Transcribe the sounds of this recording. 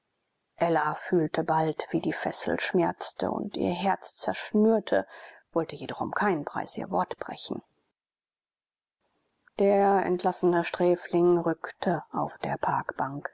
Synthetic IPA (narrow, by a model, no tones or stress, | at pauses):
ʔɛlafyːltʰəbaltv̥iːdiːfɛsl̩ʃmɛɐt͡stʰə̰ʊ̰ntʔḭːɐɦɛɐt͡st͡sɛɐʃnyːɐtʰəv̥ɔltəjeːdɔχʊ̰mkʰaɪnən̩pʁ̥a̰ɪsʔḭːɐvɔɐtb̥ʁɛ̰çn̩ | d̥eːɐɐɛ̰ntʰlasənəʃtʁ̥ɛːflɪŋʁʏktʰəaʊfd̥eːɐpʰaɐkb̥aŋk